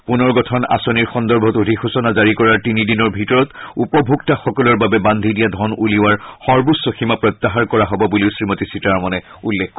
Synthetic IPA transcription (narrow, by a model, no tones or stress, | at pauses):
punɔɹɡɔtʰɔna̰sɔniɹxɔndɔɹbʱɔtudʱixusɔnazaɹikɔɹaɹtinidinɔɹbʱitɔɹɔtupɔbʱuɡtaxɔkɔlɔɹbabɛband̪ʱidijadʱɔnuliwaɹxɔɹbusoximapɹɔt̪ːaɦaɹkɔɹaɦɔbɔbuliʊsɹimotisitaɹmɔnɛ | ulːekʰk